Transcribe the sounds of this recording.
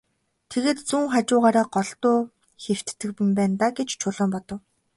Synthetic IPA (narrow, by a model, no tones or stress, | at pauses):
t̪ʰeɣeːt̪t͡suŋχat͡ɕʊːʁaːɾaːɢɔɮt̪ʊː | xew̥t̪ːɘ̆k̚pɘ̆mpæːnt̪aːɡet͡ɕt͡ɕʰʊɮɔːmpɔt̪ɞ̆w